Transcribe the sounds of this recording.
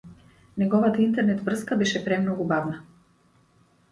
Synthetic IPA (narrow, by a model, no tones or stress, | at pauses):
nɛɡɔvat̪aint̪ɛɾnɛt̪vr̩skabɛʃɛpɾɛmnɔɡubavna